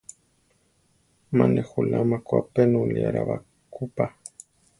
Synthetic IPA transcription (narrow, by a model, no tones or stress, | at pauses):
manexulamakʷapenuliaɾaβa | kʰupa